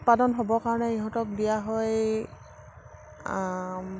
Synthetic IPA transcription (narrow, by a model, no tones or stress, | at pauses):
t̚padɔnɦobɔkaɹɔnɛiɦɔ̃tɔk̚bijaɦɔj